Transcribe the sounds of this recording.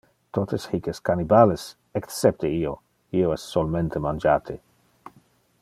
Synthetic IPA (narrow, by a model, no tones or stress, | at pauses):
t̪ot̪eshikeskanibales | eksep̚t̪eio | ioɛsːolment̪emand͡ʒaːt̪ʰe